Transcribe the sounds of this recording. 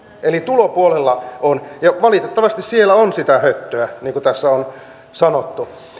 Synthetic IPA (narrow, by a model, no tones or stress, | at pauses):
ʔelit̪ulopuolelːɑonjɑʋɑlit̪et̪ːɑʋɑst̪issielːˑæonsit̪æhøt̪ːøæniːŋkut̪æsːæon | sɑnot̪ːu